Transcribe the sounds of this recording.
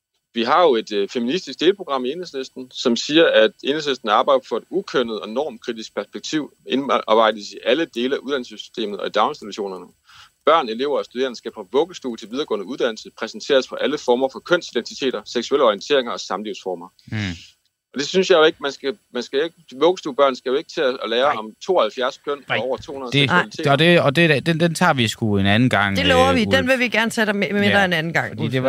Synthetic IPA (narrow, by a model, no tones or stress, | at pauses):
ʋiɦɑ̈jo̝e̝d̥feminisd̥isɡ̥̚d̥e̝ːləpʰʁo̝ɡ̥ʁɑ̈m̰ie̝nheslesd̥n̩sɒ̽msiːɐʔæd̥e̝nheslesd̥n̩ɑ̈ːb̥ɑ̈ɪ̥ɐfɒ̽e̝d̥ukʰøn̰əð̞̩ˠɒ̽enɒ̰ːmkʰʁid̥isɡ̥̚pʰæɐsb̥eɡ̥̚t͡sʰiʊ̰ | enːʋɑ̈ɪ̰d̥əsiʔæləd̥e̝ːləæuð̥ˠænl̩səsy̥sd̥e̝̰ːmð̩ˠɒ̽id̥ɑ̈ʊnsd̥iduɕo̝̰ːnɐnə | b̥ɶɐ̰ne̝le̝̰ʊɐːsd̥ud̥e̝̰ɐn̩sɡ̥æpʰʁɒ̽ʋɔ̽ɡ̥əsd̥ṵːlt͡sʰe̝lʋiðˠɐɡ̥ɔ̽ːnəuðˠd̥æn̰l̩səpʰʁɛsn̩t͡sʰe̝̰ːɐspʰɒ̽ʔæləfɒːmɐfɒ̽kʰøn̰sid̥ent͡sʰit͡sʰe̝̰ːd̥ɐseɡ̥sueləɒʁient͡sʰe̝̰ɐ̰eŋɐɒ̽sɑ̈mliʊsfɒːmɐ | ɒ̽d̥e̝synsjɑ̈ɪjo̝e̝ɡ̥mænsɡ̥æmænsɡ̥æeɡ̥ʋɔ̽ːɡ̥əsd̥uːb̥ɶɐ̰nsɡ̥æjo̝e̝ɡ̥ət͡sʰe̝lleːɐɒ̽mt͡sʰo̝̰ːɒhælfjæɐskʰøn̰ɒ̰ʊ̰ɐt͡sʰo̝̰ːhunɐðˠdelit͡sʰe̝ɒd̥eɒd̥e̝d̥end̥ent͡sʰɑ̰̈ːʋisɡ̥uenænn̩ɡ̥ɑ̈ŋ̰d̥e̝llɔʊɐʋid̥enʋe̝ʋiɡ̥æɐnət͡sʰɛd̥emmedɐenænn̩ɡ̥ɑ̈ŋ̰d̥e